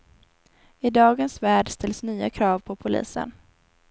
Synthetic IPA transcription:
ɪd̪ɑːɡənsvæːɖst̪ʰɛlsnyːa̰kʰɾɑːvpʰɔpʰʊlḭːsə̰n

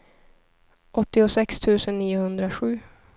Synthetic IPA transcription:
ʔɔt̪ːɪʊsɛkst̪ʰʉ̟ːsənːiːʊhɵnd̪ɾaɧʉ̟ː

